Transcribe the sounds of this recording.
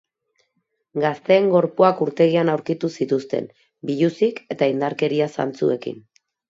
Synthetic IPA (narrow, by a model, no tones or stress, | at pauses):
ɡast̪e̞ːŋɡo̞ɾpoakuɾt̪e̞ɣianawɾkit̪usit̪ust̪e̞̰m | biʎusike̞t̪aind̪aɾke̞ɾiasa̰nt͡sṵe̞kḭn